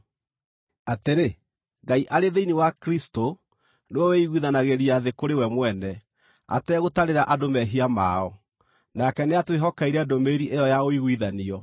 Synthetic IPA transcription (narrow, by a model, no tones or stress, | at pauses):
ateɾe | ŋɡaiʔaɾeðeiniwakɾisto | newɔweiɣwiðanaɣeɾiaðekoɾewɛmwɛnɛ | a̰tɛɣotaɾeɾaʔadomɛɦiama̰ɔ | nakɛneatweɦɔkaiɾɛːdomeɾiʔejɔjaoiɣwiðaniɔ